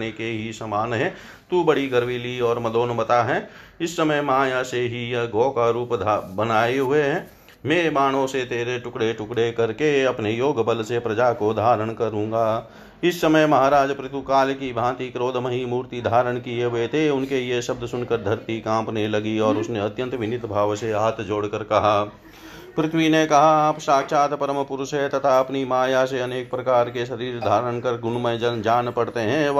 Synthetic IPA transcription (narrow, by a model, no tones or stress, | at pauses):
nekeɦisəmaːnɦɛ̃ː | t̪ubəɽiɡəɾʋiliɔːɾməd̪oːnmət̪aɦɛ̃ːɪsːəməjmaːjaseɦijɐɡɔːkaɾuːpd̪bənaːeɦʊeɦɛ̃ː | mẽːmaːɽ̃õset̪eːɾeʈʊkɽeʈʊkɽekɐɾkeɐpnejoːɡbəlsepɾɐd͡ʒakod̪ʱaːɾəɽ̃kəɾũːŋ̆ɡaː | ɪsːəməjmɐɦaːɾaːd͡ʒpɾɪt̪ʰukaːlkibʱãːt̪ikɾoːd̪ʱmɐɦimuːɾt̪id̪ʱaːɾəɽ̃kieɦet̪ʰeʊnkejeʃɐb̚d̪ʱsʊnkəɾd̪ʱɐɾt̪ikãːmpnelɐɡiɔːɾʊsneɐt̪jə̃nt̪ʋɪnɪt̪bʱaːʋseaːt̪ʰd͡ʒoːɽkəɾkɐɦaː | pɾɪt̪ʰʋinekɐɦaːpʃaːkʃaːt̪pəɾəmpʊɾʃɦɛt̪ɐt̪ʰaɐpnimaːjaseɐneːk̚pɾɐkaːɾkeʃɐɾiːɾd̪ʱaːɾəɽ̃kəɾɡʊnmə̃d͡ʒnd͡ʒaːnpɐɽt̪eɦɛ̃